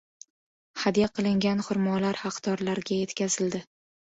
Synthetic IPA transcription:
had̪jaqʰɨlˠɪŋɡʲanχʊɾmɒlaɾhɑqt̪ʰɒɾlaɾɡʲaje̞t̪kʲazɪld̪ɪ

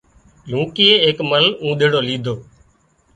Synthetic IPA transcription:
lũːkieːeːkməlũːɗ̪eːɽoːliːd̪ʱoː

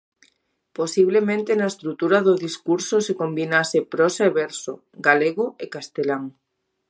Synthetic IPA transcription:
posiβlemẽnt̪enaest̪ɾut̪uɾaðoðiskuɾsosekombinasepɾɔsaeβɛɾso | ɡaleɣoekast̪elaŋ

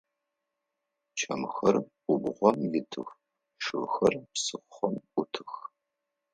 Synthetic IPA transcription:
t͡ʃʰɐmxɐrʔʷʊbʁʷɔmjɪtʰɨ̰x | ʂɨlxɐrpsɨχχɔmʔʷʊtʰɨx

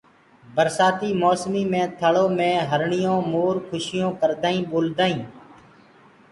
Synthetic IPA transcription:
bəɾsaːt̪iːmoːsmiːmẽːt̪ʰəɭõːmẽːɦəɾɳɪjõːmoːɾkʰʊʃɪjõːkəɾd̪aːĩːɓoːld̪aːĩː

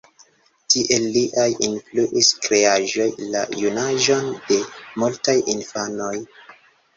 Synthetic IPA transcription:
tiʔe̞lːiʔajinfluʔiskɾe̞aʒo̞jla̰junaʒo̞nde̞multajinfano̞j

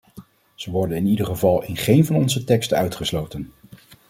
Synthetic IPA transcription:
z̥əʋɔɹdənɪnidəɹχəvɑlˠɪnχejnvɑnɔnzətɛkstœɥtχəslowtən

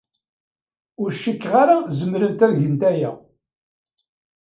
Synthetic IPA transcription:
ʊɾʃːikːʁaɾazəmɾənt̪æðʝənt̪æjæ̰

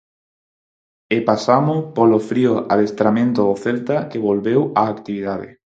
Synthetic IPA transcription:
epasamopolofɾioa̰ðest̪ɾamẽnt̪ooθelt̪akeβolβewaːkt̪iβið̞aðḛ

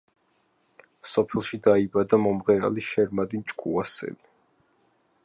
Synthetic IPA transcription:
msɔpʰɛlˠʃid̪aibad̪amɔmʁɛɾa̰liʃɛɾmad̪int͡ʃʼkʼṵasɛ̰li

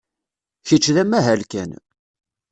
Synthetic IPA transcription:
çət͡ʃːðæmːæɦælkæn

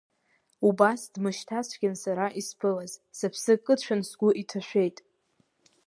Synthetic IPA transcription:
ubasdmɨʃtʰasʷʰɡʲɪnsaɾaʔispʰɨlazsapʰsɨkʼɨt͡ʃʷᶣʰansɡʷʊʔitʰaʃᶣʷe̞jtʼ

